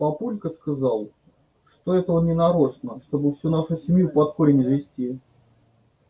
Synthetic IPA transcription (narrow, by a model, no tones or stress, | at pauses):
pɐpulʲkəskazɑlˠ | ʂt̪oɛt̪əonnʲɪnɐɾoʂnəʂt̪o̞bɨfsʲunaʂʊsʲɪmʲjupɐt̪koɾʲɪnʲɪzvʲɪsʲtʲi